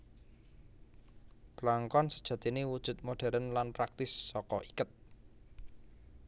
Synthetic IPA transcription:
b̥əlaŋkɔnsə̥d̥ʒ̥ä̤d̪̥i̤newud̥ʒ̥ṳt̪̚moɖ̥ɛ̤ɾənlanpɾak̚t̪ɪsːɔkɔʔikət̪̚

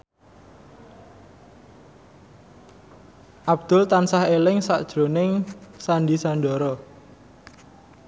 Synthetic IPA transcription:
ʔab̚d̪̥ʊ̤lt̪ansahelɪŋsa̰ʔd̥ʒ̥ɾonɪŋsanɖisanɖɔɾɔ

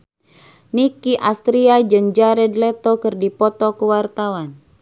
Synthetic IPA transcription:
nikiʔast̪ɾiad͡ʒɨŋd͡ʒaɾɛdlɛt̪ɔkɨrdipɔt̪ɔkuwart̪awan

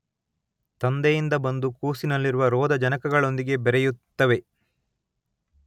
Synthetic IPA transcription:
t̪ɐnd̪ejind̪ɐbɐnd̪ukuːsinɐlːiɾuʋɐɾɔːd̪ɐd͡ʒɐnɐkɐɡɐɭo̞nd̪iɡe̞bɛɾɛjut̪ːɐʋe̞

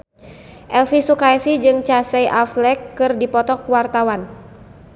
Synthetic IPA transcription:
ʔɛlfisukaɛsid͡ʒɨŋt͡ʃasɛjʔaflɛkːɨrdipɔt̪ɔkuwart̪awan

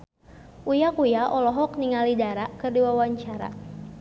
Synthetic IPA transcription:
ʔujakujaʔɔlɔɦɔk̚niŋalidaɾakɨrdiwawaɲt͡ʃaɾa̰

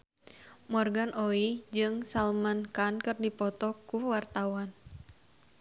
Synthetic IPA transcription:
mɔrɡanʔoid͡ʒɨŋsalmankankɨrdipɔt̪ɔkuwart̪awan

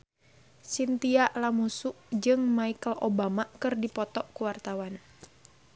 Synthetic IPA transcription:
sint̪iaʔlamusuʔd͡ʒɨŋmaikəlobamakɨrdipɔt̪ɔʔkuwart̪awan

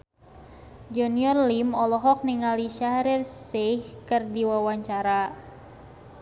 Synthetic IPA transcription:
d͡ʒuniɔrlimɔlɔɦɔk̚niŋaliʃaɾirsehkərdiwawaɲt͡ʃaɾa

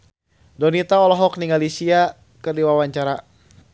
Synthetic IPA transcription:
dɔnit̪aɔlɔɦɔk̚niŋalisia | kərdiwawaɲt͡ʃaɾa

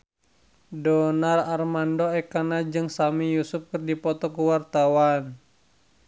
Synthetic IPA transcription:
dɔnararmandɔɛkanad͡ʒɨŋsamijusʊp̚kɨrdipɔt̪ɔkuwart̪awan

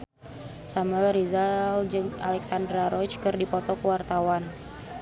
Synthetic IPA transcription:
samuɛlrizald͡ʒəŋa̰lɛksandɾaɾɔt͡ʃkərdipɔt̪ɔkəwart̪awan

